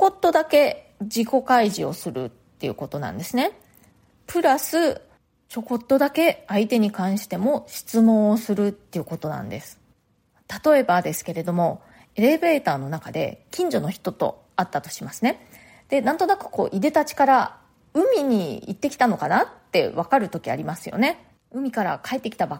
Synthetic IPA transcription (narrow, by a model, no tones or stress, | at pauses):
oko̞t̪ːo̞d̪ake̞d͡ʑiko̞kaiʑio̞̰sɨɾɯ̟̰t̪ːe̞jɯ̟̰ko̞t̪o̞nã̰nd̪e̞sɨne̞ | pɯ̟ɾasɨ | t͡ɕo̞ko̞t̪ːo̞d̪ake̞ait̪e̞ɲ̟ikãɰ̃ɕi̥t̪e̞mo̞ɕi̥t͡sɨmõ̞ɰ̃osɨɾɯ̟t̪ːe̞iɯ̟ko̞t̪o̞nã̰nd̪e̞sɨ̥ | t̪at̪o̞e̞bad̪e̞sɨ̥ke̞ɾe̞d̪o̞mo̞ | e̞ɾe̞be̞ːt̪aːno̞nakad̪e̞̰kʲĩɲ̟d͡ʑo̞noçi̥t̪o̞t̪o̞̰ | at̪ːat̪o̞ɕimasɨne̞ | d̪̥e̞nãnt̪o̞nakɯ̟̥ko̞̰ːʔid̪e̞t̪at͡ɕi̥kaɾa | ɯ̟mʲiɲ̟iit̪ːe̞kʲi̥t̪ano̞kanat̪ːe̞̰βakaɾɯ̟t̪o̞kʲia̰ɾʲimasɨjo̞̰ne | ɯ̟mʲikaɾa̰kaet̪ːekʲi̥t̪aba